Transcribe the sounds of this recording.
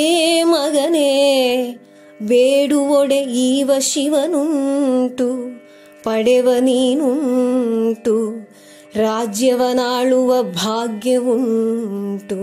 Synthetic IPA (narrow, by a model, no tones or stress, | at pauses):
eːmɐɡɐneː | beːɽuʋɔɽeiːʋɐʃiʋɐnuɳʈu | pɐɽɛʋɐniːnun | ʈu | ɾaːd͡ʒjɐʋɐnaːɭuʋɐbʱaːɡjɐʋuɳ | ʈu